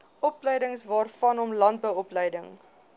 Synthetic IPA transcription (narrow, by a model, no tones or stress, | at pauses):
ʔɔpləjdəŋsvɑːrfɐnɔmlɐnt̚bəwɔpləjdəŋ